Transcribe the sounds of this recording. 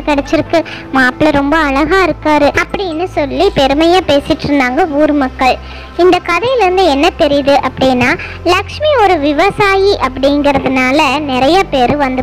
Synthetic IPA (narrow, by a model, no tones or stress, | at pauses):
kɐɽɛt͡ʃːɪɾɯkːɯ | maːpɭɐɾɔmbɐːɭɐɣaːɪɾɯkːaːɾɯʔɐpːɐɽɪnːɯsɔlːipɛɾɯmɐjãːpeːsɪʈːɾɯnd̪aːŋɡɐuːɾɯmɐkːɐɭ | ɪnd̪ɐkɐðɐjɪlɪɾɯnd̪ɯɛnːɐt̪ɛɾɪjðɯʔɐpːɐɽɪnːaː | lɐkʂmiɔɾɯʋɪʋɐsaːjiʔɐpːɐɽɪŋɡɪɾɐðɯnaːlɐnɪɾɐjɐpeːɾɯʋɐnd̪ɯ